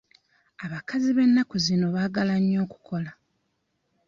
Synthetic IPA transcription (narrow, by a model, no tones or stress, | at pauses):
aβakaziβe̞nːakuzino̞βaːɡalaɲːo̞ːku̥kʰo̞la